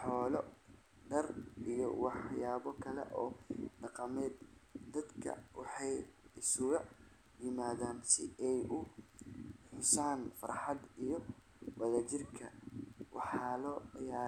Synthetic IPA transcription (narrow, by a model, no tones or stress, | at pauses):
ħɔːlɔ | ɖɐrʔijɔ̰wɑħjaːβɔkʰɐlɛ̰ʔɔːɖɑqɑmɛːd̪d̪ɐd̪kʰɐ̰wɑħɑjɪsʊɣɐ | jɪmaːðaːnsɪɛjʊ | ħʊsaːnfɐ̰rħɑd̪ijɔ | wɐðɐt͡ʃɪrkʰɐwʔɑ̰ħɑːlɔːjaː